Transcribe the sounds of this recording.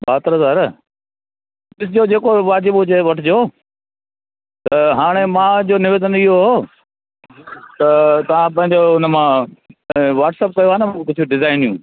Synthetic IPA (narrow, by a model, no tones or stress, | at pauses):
baːt̪ɾəsaɾə | bɪsɪd͡ʑod͡ʑeːkoʋaːd͡ʑɪbʊd͡ʑeʋɐʈʰɪd͡ʑoː | t̪ɐɦaːɽ̃emãːd͡ʑoːnɪʋeːd̪ənɪɦoɦo | t̪ɐt̪ɐʋ̤ãp̬ɐ̃ɦɪ̃ɲd͡ʑoʊnə̆mã | ʋaːʈsəp̚kɐjoɦaːnə̃kʊd͡ʑʰʊiɖɪzaːɪnjũː